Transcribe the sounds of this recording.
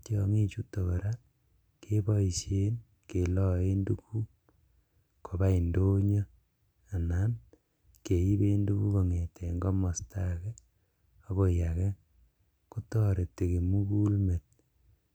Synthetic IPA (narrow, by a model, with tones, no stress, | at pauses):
tjɔ˧ŋi˦t͡ʃu˦to˨βɔ˨ɾa˦ | kʰe˦bɔ˦i˨ʃe˦n | ke˨lɔ˦e˦ndu˦ku˦ | kʰo˨ba˦i˨ndo˦ɲɔ˦ | a˨na˦n | ke˨i˦be˦ndu˦ku˦ko˨ŋe˨tʰe˨ŋɡɔ˦mɔ˨sta˦kɛ˦ | o˦bo˦˨ja˨kɛ˦ | ku˦tɔ˦ɾe˨te˨ke˨mu˦ku˦lme˨t̚